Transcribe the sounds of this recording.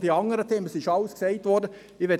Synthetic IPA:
diɑŋəɾətʰeːməsɪʃɑʊsksɛɪtʋɔdə | ɪʋɛ

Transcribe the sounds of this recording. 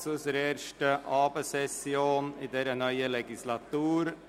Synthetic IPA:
sʊsɾeːɾʃʈəʔɑːbeːsɛsɪoːniːd̪ɛɾənœʏəlɛɡɪslɑt̪uːɾ

